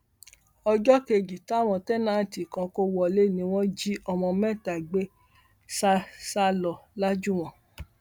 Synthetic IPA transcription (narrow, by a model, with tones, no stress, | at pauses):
ɔ˧d͡ʒɔ˦ke˧d͡ʒi˨ta˦˨w̃ɔ̃˧tɛ˦nã˦˨ti˨kã˧ko˧wɔ˨le˦˨nĩ˧w̃ɔ̃˦d͡ʒi˦ɔ˧mɔ̃˧mɛ̃˦˨ta˨ɡ͡be˦ | sa˦sa˦lɔ˨la˦d͡ʒu˦˨w̃ɔ̃˦˨